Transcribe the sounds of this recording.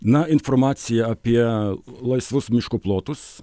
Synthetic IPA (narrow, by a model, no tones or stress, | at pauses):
nɐɪnfoɾmɑːt̪sʲɪjɛɐpʲiɛlˠɐɪsʋʊsmʲɪʃkʊplˠoːt̪ʊs